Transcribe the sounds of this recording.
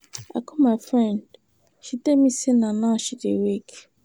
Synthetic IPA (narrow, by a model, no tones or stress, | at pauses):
a̰kɔmaɪfɹɛ̃nd | ʃitemisenanaʃidḛwek